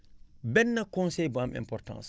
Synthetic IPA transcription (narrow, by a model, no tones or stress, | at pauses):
bɛnːɐkɔ̃nsɛjbamɛ̰̃mpɔrtã̰ːs